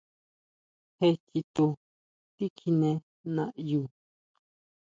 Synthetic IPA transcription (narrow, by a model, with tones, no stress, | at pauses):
he˧ti˧t̪u˧ | t̪i˦kʰi˧nẽ˧ | nã˧ʔju˧˨